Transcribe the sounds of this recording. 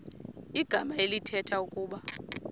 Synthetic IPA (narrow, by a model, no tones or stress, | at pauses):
iɡ̥ʱamaelitʰɛtʰaukʼuːɓa